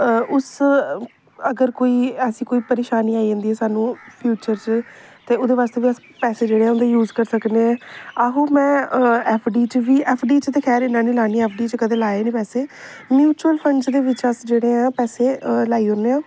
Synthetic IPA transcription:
ʊs | əɡəɾkoːiːəsĩːkoːiːpəɾeːʃaːniːaːid͡ʒãːnd̪iːɛːsaːnũːpʰjuːt͡ʃəɾt͡ʃt̪eːʊd̪eːʋaːst̪eːʋiːəs | pɛːseːd͡ʒeːɽeːãːʊnd̪eːjuːzkəɾsəkneɛ̃ːaɦoːmɛ̃ːɛːpʰɖiːt͡ʃʋiːɛːpʰɖiːt͡ʃt̪eːkʰɛːɾɪnãːnĩːlaːniːɛːpʰɖiːt͡ʃkəd̪ẽːlaːeːnĩːpɛːseː | mjuːt͡ʃuəlpʰəɳd͡ʒd̪eːʋɪt͡ʃəsd͡ʒeːɽeːɦãːpɛːseːlaːiːɦoːneːãː

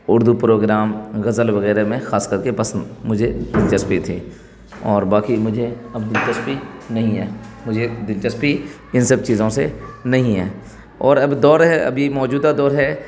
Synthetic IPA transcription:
ʊɾd̪upɾoːɡɾaːmɣɐzəlʋɐɣɛːɾemẽxaːskəɾkepɐsə̃nd̪mʊd͡ʒʱed̪ɪlt͡ʃəspit̪ʰiː | ɔːɾbaːkimʊd͡ʒʱeɐbd̪ɪlt͡ʃəspinɐɦĩɦɛːmʊd͡ʒʱed̪ɪlt͡ʃəspi | ɪ̃nsɐb̚t͡ʃiːzõsenɐɦĩɦɛː | ɔːɾɐbd̪ɔːɾɦɛʔɐ̰bʱimɔːd͡ʒuːd̪ad̪ɔːɾɦɛː

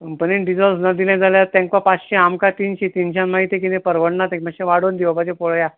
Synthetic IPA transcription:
pəninɖid͡zɔlsnad̪ilãd͡zaljat̪ãŋkapat͡sɕẽamkat̪iːnɕet̪inɕ̬ãnmaɦit̪ek̬inẽpəɾʋəɽnat̪ẽkmaɕẽʋaɽond̪iʋapat͡ɕẽpoɭja

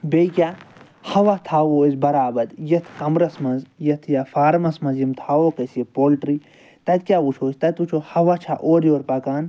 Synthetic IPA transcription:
bejkʲjaː | hɐʋat̪ʰaːwoːizbɐɾaːbɐd̪jɐt̪ʰkɐmɾɐsmɐnzjɐt̪ʰjaːfaːɾmɐsmɐnzimt̪ʰaːwoːkɐsjepoːlʈɾi | t̪ɐt̪̚kʲjaːut͡ʃʰoːsʲt̪ɐt̪ut͡ʃʰoːhɐʋat͡ʃʰaʔoːɾjoːɾpɐkaːn

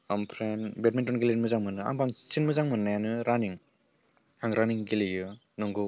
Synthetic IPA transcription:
ampʰɾenbet̚mentɔnɡilemɯzaŋmɯnɯa̰ŋbaŋsinmɯzaŋmɯnnajanɯɾaniŋ | aŋɾaniŋɡilijɯ | nɯŋɡɯ

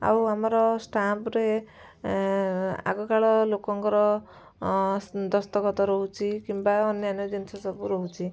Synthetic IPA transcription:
a̰wamɔɾɔsʈapɾe | a̰ɡɔkaɭɔlokɔŋkɔɾɔ | d̪ɔst̪ɔkɔt̪ɔɾɔɦut͡ʃʰikimbaɔnjɔanjɔd͡ʒɔnsasɔbuɾoɦut͡ʃʰi

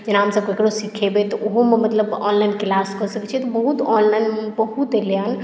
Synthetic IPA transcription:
d͡ʒenaɦəmsəb̚koekɽosikʰebet̪ɔoɦomemət̪ləbɔ̰nlajnkelaskɔsəket͡ʃʰɛt̪ɔbəɦut̪ɔnlajnmbəɦut̪eleən

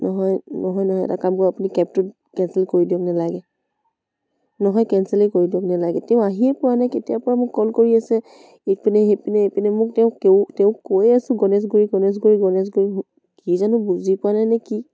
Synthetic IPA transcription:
nɔɦɔjnɔɦɔjnɔɦɔjɛ̰takamkɔapunikɛp̚tʊt̚ | kɛnsɛlkoɹidiɔk̚nalaɡɛ | nɔɦɔjkɛnsɛlekoɹidiɔknalaɡɛtɛʊ̃aɦiɛpɔɹanajketijapɔɹamʊkːɔlkoɹiasɛ | epinɛɦepinɛepinɛmʊk̚tɛʊ̃keʊ̃tɛʊ̃kojasʊ̃ɡɔnɛs̬ɡuɹiɡɔnɛs̬ɡoɹiɡɔnɛs̬ɡoɹi | kizanʊbuzipʊɹanajnɛki

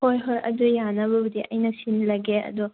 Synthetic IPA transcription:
hojɦoɾʔɐ̰dujanɐβɐbɐdiʔɐ̰jnɐsinlɐɡeɐ̰du

